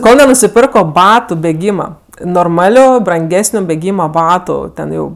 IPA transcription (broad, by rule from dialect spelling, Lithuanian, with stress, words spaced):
ˈkoːlˠ nʲɛnʊsʲɪˈpʲɪrkoː ˈbɑːtʊ bʲɛˈɡʲiːmɐ noːrˈmɑːlʲʊ brɐŋʲˈɡʲæːsʲnʲʊ bʲɛˈɡʲiːmɐ ˈbɑːtʊ ˈtʲɛn ˈjɛʊ